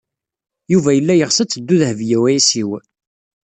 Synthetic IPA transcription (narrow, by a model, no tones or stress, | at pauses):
juvæjəlːæjəʁsət͡sːəd̪ːuðhəvjæwæisiw